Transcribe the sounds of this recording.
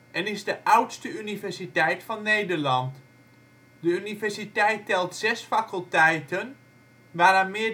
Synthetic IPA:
ʔɛnɪzdəʔʌwtstəynivɛɹsitɛjtfɑnːejdəɹlɑnt | dəynivɛɹsitɛjtɛlˠtsɛsfakəlˠtɛjtən | ʋaːɾanmɪ

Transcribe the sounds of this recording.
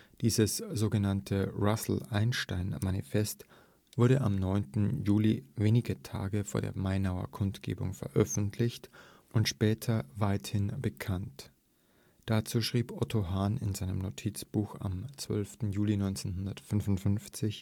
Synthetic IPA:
d̥iːzəsz̥oːɡənantʰəʁasl̩ʔaɪnʃtaɪnmanḭfɛst | v̥ʊɐɾəʔamnɔʏntn̩juːliveːnɪɡətʰa̰ːɡəfoːɐdḛːɐmaɪnaʊɐ̰kʰʊntɡ̥ḛːbʊ̰ŋfɛɐʔœfn̩tʰlɪçt | ʔʊntʃpɛːtʰɐvaɪthɪnbəkʰant | d̥at͡suːʃʁ̥iːpʔɔtʰoɦaːnɪ̰nzaɪnəmnotʰit͡sb̥uːxa̰mt͡sv̥œ̰lftn̩juːlinɔʏnt͡senhʊndɐtfʏnvʊntfʏnft͡sɪç

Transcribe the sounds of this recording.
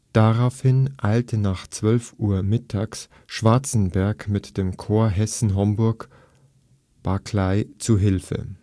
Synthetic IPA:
d̥aʁaʊfhɪnʔaɪltʰənaːχt͡sv̥œlfʔuːɐmɪtʰaːks | ʃv̥aɐt͡sn̩bɛɐkmɪtd̥eːmkʰoːɐɦɛsn̩ɦɔmbʊɐk | b̥akʰlaɪt͡suɦɪlfə̰

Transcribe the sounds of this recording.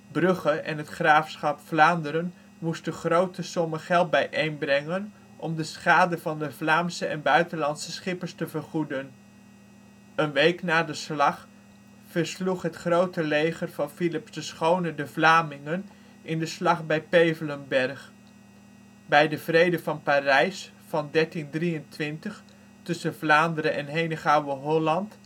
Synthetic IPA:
brɵχəʔɛ̰nɦətχraːfsχɑpflaːndəɾən | mustdəχrowtəsɔməχɛlˠt̚bɛjʔejnbrɛŋən | ʔɔmdəsχaːdəvɑndəvlaːmsəʔɛnbœɥtənlɑntsəsχɪpəɹstəvəɹχudən | ənʋejknaːdəslɑχ | fəɹsluχɦətχrowtəlejχərvɑnfilɪpsdəsχownədəvlaːmɪŋən | ɪndəslɑχbɛjpejvələmbɛɹχ | bɛjdəvrejdəvɑnparɛjs | fɑndɛɹtindrijəntʋɪntəχ | tɵsənvlaːndəɾəʔɛnɦejnəχawəɦɔlɑnt

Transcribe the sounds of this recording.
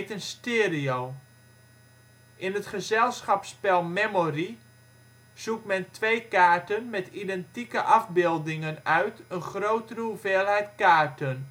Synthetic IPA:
tənstɪːɾiow | ʔɪnətχəzɛlˠsχɑpspɛlˠmɛmori | z̥uk̚tmɛntʋejkaːɹtənmɛtidɛntikəʔɑvbɪlˠdɪŋənœɥtənχrowtəruveːlˠɦɛjtkaːɹtən

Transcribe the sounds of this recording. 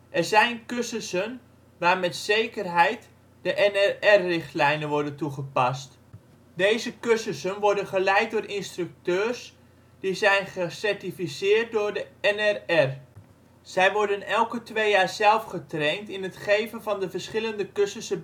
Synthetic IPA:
ʔɛrzɛjnkøsəsən | ʋaːɹmɛtsejkərɦɛjt | d̥əʔɛnɛrɛrːɪχtlɛjnənʋɔɹdəntuχəpɑst | dejzəkøsəsənʋɔɹdənχəlɛjt̚dʊːrʔɪnstrʏk̚tøːrs | d̥izɛjnχəsɛɹtifisɪːɹt̚dʊːɹdəɛnɛrɛr | z̥ɛjʋɔɹdənɛlˠkətʋejjaːɹzɛlˠfχətrɛntɪnətχejvənvɑndəvərsχɪləndəkøsəsə

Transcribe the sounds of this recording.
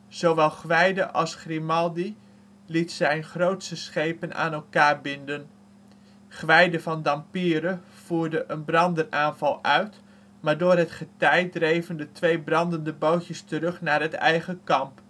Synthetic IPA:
z̥owʋɛlˠχʋɛjdəʔɑlˠsχrimɑlˠdi | litsɛjnχrowtsəsχejpəna̰ːnɛlˠkaːɹbɪndən | χʋɛjdəvɑndɑmpiːɾə | v̥uːɹdəʔənbrɑndəraːnvɑlˠʔœɥt | maːɹdʊːrɦətχətɛjdrejvəndətʋejbrɑndəndəbowtjəstərɵχnaːrɦətɛ̰jχəkɑmp

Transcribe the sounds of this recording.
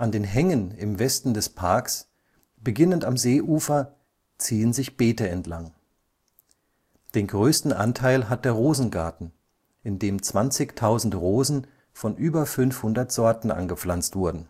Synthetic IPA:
ʔandeːnɦɛŋənɪmvɛstn̩dɛspʰaɐks | b̥əɡɪnəntamzeːʔuːfɐ | t͡siːənzɪçb̥eːtəɛntlaŋ | d̥eːnɡʁøːstn̩ʔa̰ntʰaɪlɦat̚d̥eːɐʁoːzn̩ɡaɐtn̩ | ʔɪndeːmt͡sv̥ant͡sɪçtʰaʊzn̩tʁoːzn̩ | fɔnʔyːbɐfʏnfhʊndɐtz̥ɔɐtn̩ʔa̰nɡəp͡flant͡stv̥ʊɐdn̩

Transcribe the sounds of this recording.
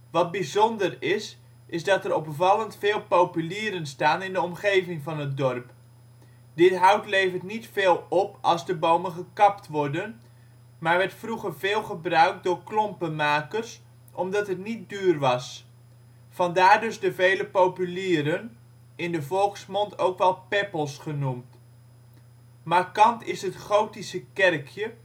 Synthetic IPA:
ʋɑt̚bizɔndərɪs | ʔɪzdɑtəɾɔpvɑləntfɪːlˠpowpyliːɾənstaːnɪndəɔmχejvɪŋvɑnɦət̚dɔrp | dɪtɦʌwtlejvərtnitfeːlˠɔpɑlˠzdəbowmənχəkɑptʋɔɹdən | maːɹʋɛɹtfruχərvɪːlˠχəbrœɥk̚dʊːɹklɔmpənmaːkərs | ʔɔmdɑtɦətnit̚dyːrʋɑs | fɑndaːɹdɵzdəvejləpowpyliːɾən | ɪndəvɔlˠksmɔntowkʋɛlˠpɛpəlˠsχənumt | makɑntɪsɦətχowtisəkɛrkʰjə

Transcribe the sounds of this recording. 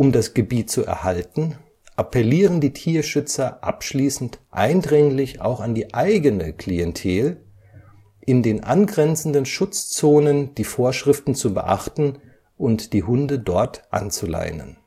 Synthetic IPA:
ʔʊmdasɡ̥əbiːtt͡suʔɛ̰ɐhaltn̩ | ʔapʰɛliːʁəndiːtʰiːɐʃʏt͡sɐʔa̰pʃliːsn̩tʔa̰ɪndʁɪŋlɪça̰ʊxandiːʔaɪɡənəkʰl̥iɛntʰeːl | ʔɪndeːnʔa̰nɡʁɛnt͡sn̩dənʃʊt͡st͡soːnənd̥iːfoːɐʃʁ̥ɪftn̩t͡subə̰ʔa̰χtn̩ | ʔʊntd̥iːɦʊndədɔɐtʔa̰nt͡sula̰ɪnə̰n

